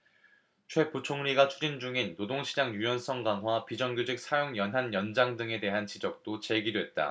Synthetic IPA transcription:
t͡ɕʰwe̞put͡ɕʰoŋɲiɡat͡ɕʰud͡ʑind͡ʑuŋinːodoŋɕʰid͡ʑaŋjujʌnsʰʌŋɡaŋɦwapid͡ʑʌŋɡjod͡ʑik̚sʰajoŋjʌnɦanjʌnd͡ʑaŋdɯŋe̞de̞ɦant͡ɕid͡ʑʌk̚t͈ot͡ɕe̞ɡidwe̞t̚t͈a̰

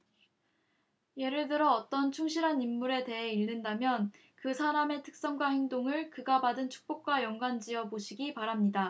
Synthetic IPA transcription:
je̞ɾɯɭdɯɾʌːt͈ʌnt͡ɕʰuŋɕʰiɾɦanimːuɾe̞te̞ɦe̞iɭːɯndamjʌn | kɯsʰaɾame̞tʰɯ̥k̚s͈ʌŋɡwaheŋdoŋɯɭkɯɡabadɯnt͡ɕʰu̥k̚p͈ok̚k͈wajʌŋɡwand͡ʑiʌboɕʰiɡipaɾamɲida

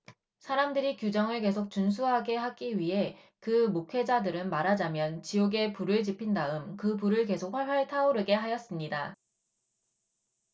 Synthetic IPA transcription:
sʰaɾamdɯɾikjud͡ʑʌŋɯɭke̞sʰok̚t͡ɕuns̬ʰuɦaɡe̞ɦak͈iɥiɦe̞ | kɯmokʰe̞d͡ʑadɯɾɯnmaɾad͡ʑamjʌnt͡ɕioɡe̞puɾɯɭt͡ɕipʰindaɯmkɯpuɾɯɭke̞sʰok̚ɸaɭwaɭtʰauɾɯɡe̞ɦajʌs͈ɯmɲida

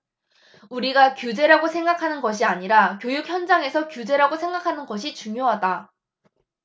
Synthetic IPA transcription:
uɾiɡakjud͡ʑe̞ɾaɡosʰeŋɡakʰanɯnɡʌɕʰiaɲiɾakjojuk̚ʰçjʌnd͡ʑaŋe̞sʰʌkjud͡ʑe̞ɾaɡosʰe̞ŋɡakʰanɯnɡʌɕ̬ʰit͡ɕuŋjoɦada

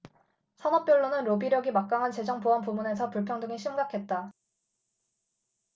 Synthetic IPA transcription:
sʰʌnʌp̚p͈jʌɭːonɯnɾobiɾjʌɡimak͈̚aŋɦant͡ɕe̞d͡ʑʌŋpoanpumune̞sʰʌpuɭpʰjʌŋdɯŋiɕʰimɡakʰe̞t̚t͈a

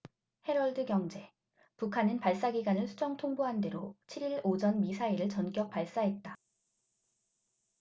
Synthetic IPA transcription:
he̞ɾʌɭdɯɡjʌŋd͡ʑe̞ | pukʰanɯnpaɭs͈aɡiɡanɯɭsʰud͡ʑʌŋtʰoŋboɦande̞ɾot͡ɕʰiɾiɭod͡ʑʌnmisʰaiɾɯɭt͡ɕʌnk͈jʌk̚p͈aɭs͈aɦe̞t̚t͈a

